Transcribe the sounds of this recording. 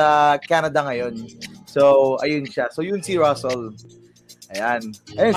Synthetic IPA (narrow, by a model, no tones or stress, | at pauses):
ɐkanɐd̪ɐŋɐjonsoʔɐjʊnʃasojʊnsiɹasɛl | ʔɐjanʔɐjon